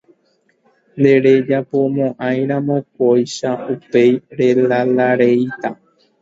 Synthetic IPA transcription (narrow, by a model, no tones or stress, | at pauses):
nd̪e̞ɾed͡ʒapo̞mõʔãj̃ɾ̃ãmõ̞k̚ojʃaupejɾe̞lalaɾejt̪a